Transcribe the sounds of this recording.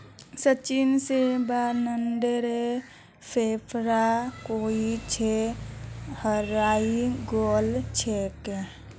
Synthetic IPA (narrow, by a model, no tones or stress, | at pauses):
sət͡ʃinsebanənɖəɾe | pʰepʰɾakoit͡ʃʰe | həɾaiɡolt͡ʃʰeke